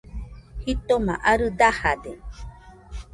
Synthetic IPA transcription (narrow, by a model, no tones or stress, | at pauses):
hit̪omãʔaɾɯd̪ahad̪e